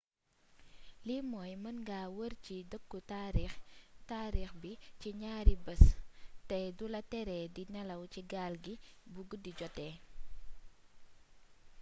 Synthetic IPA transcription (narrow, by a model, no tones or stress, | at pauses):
limɔːjmɐnɡaːwəɾt͡ʃidəkːutaɾtaːɾixbiciɲaːɾibəstɐjdulɐtɛɾɛdinɐlɐwciɡaːlɡibuɡədːiɟɔtːɛː